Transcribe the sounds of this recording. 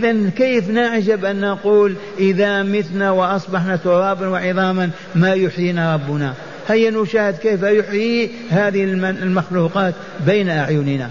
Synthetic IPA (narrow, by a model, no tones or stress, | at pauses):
ʔɪðankeːfnaʕd͡ʒabʔanːaquːl | ʔɪðamɪθnawɪʔɑsˤbɑħnat̪ʊɾˤɑːbanwɪʕɪðˤɑːman | majʊħjiːnaɾˤɑbːʊna | hajːanuʃaːhɪd̪keːfajʊħji | haːðɪhɪlmlmaxluːqɑːt̪ | beːnaʔaʕjʊnɪna̰